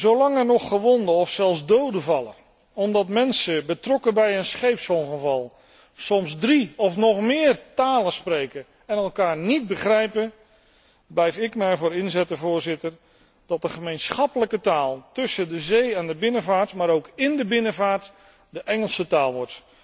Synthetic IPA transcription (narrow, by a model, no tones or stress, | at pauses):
zowlɑŋɛnɔχːəʋɔndəɔfsɛlˠzdowdəvɑlˠə̰ | ɔmdɑtmɛnsəbətrɔkəbɛjənsχejpsɔŋˠχəvɑlˠ | sɔmzdriɔfnɔχmɪːrtaːləsprejkə | ɛnɛlˠkaːɹnid̚bəχrɛjpə | blɛjfɪkmɛjvʊːɾɪnzɛtdəvʊːɹzɪtəɹ | d̥ɑt̚dəχəmejnsχɑpələkətaːlˠtɵsədəzejɛandəbɪnəvaːɹtmaːɾowkɪndəbɪnəvaːɹt | dəʔɛŋəlˠsətaːlˠʋɔɹt